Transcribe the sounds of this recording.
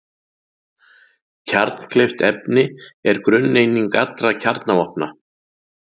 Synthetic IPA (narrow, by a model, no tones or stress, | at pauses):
cʰaɾt̪n̥kʰleft̪ɛpnɪɛɾkɾʏnːejniŋkat̪lɾacʰaɾt̪navɔhpna